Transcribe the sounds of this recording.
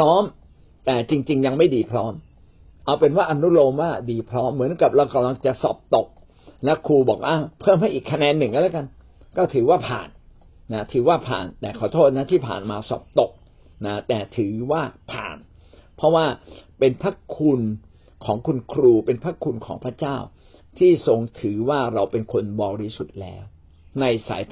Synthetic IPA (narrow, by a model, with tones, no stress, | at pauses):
ɾɔː˦˥m | t̪ɛː˨˩t͡ɕi˧ŋt͡ɕi˧ŋja˧ŋma˥˩jdiː˧pʰɾɔː˦˥m | ʔa˧wpe˧nwaː˥˩ʔa˧nu˦˥t̪̚loː˧mwaː˥˩diː˧pʰɾɔː˦˥mːɯ˨˩˦ə˦nka˨˩p̚ɾa˧wka˧˨mla˧ŋt͡ɕa˨˩ʔsɔ̰ː˨˩p̚t̪o˨˩k̚ | lɛ˦˥kʰuː˧bɔː˨˩k̚ʔa˧˩pʰɤː˥˩˨mha˥˩jʔiː˨˩kʰːa˧nɛː˧nːɯ˨˩ŋka˧˥˩lɛː˨˦ka˧n | kɔː˥˩t̪ʰɯː˨˩˦waː˥˩pʰa̰ː˨˩nː | a˦˥t̪ʰɯː˩˦waː˥˩pʰa̰ː˨˩nt̪ɛː˨˩kʰɔː˨˩t̪ʰoː˥˩t̪̚na˦˥t̪ʰiː˥˩pʰa̰ː˨˩nmaː˧sɔ̰ː˨˩p̚t̪o˨˩k̚ | na˦˥t̪ɛː˨˩t̪ʰɯː˩˦waː˥˩pʰa̰ː˨˩n | pʰɾɔ˦˥waː˥˩pe˧npʰa˦˥kʰu˧n | kʰɔː˩˦ŋkʰu˧nkʰɾuː˧pe˧npʰɾa˦˥kʰːu˧nkʰɔ̰ː˩˦ŋpʰɾa˦˥t͡ɕaː˥˩w | t̪ʰiː˥˩so˧ŋt̪ʰɯː˩˦waː˥˩ɾa˧wpe˧nkʰo˧nbɔː˧ɾiː˦˧˩su˨˩t̪̚lɛ̰ː˦˥w | na˧jsa̰ː˩˦j